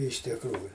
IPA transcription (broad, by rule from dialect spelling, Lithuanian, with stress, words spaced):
ɪʃ tʲɪkˈruːjʊ